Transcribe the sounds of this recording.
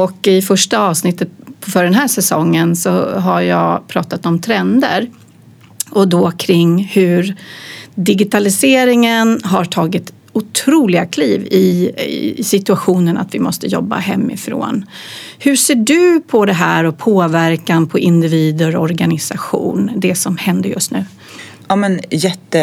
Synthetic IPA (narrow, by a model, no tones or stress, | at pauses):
ɔkɪfœʂʈaɑːvsnɪt̪ːət̪̚pʰɔfœɖɛnɦæːʂɛsɔŋːənsɔɦajɑ̰ːpʰɾɑːt̪at̪ɔmt̪ʰɾɛnd̪əɾ | ɔd̪ɔkʰɾɪŋːhɵɾ | d̪ɪɡɪt̪ʰalɪseːɾɪŋənɦaʈʰɑːɡɪt̪ | ʊt̪ʰɾuːlɪɡakʰliːvɪ | sɪt̪ɵaɧuːnəna̰t̪vɪmɔst̪əjɔ̰bːa̰hɛmːɪ̰fɾo̰ːnhɵʂeːɖɵpʰɔd̪ɛɦæːɾɔpʰoːvæɾkanpʰɔʔɪnd̪ɪviːd̪əɾɔɾɡanɪsaɧṵːnd̪ɛsɔmhɛnd̪əjɵ̰st̪nʉ̟ː | ɑmɛnjɛt̪ːə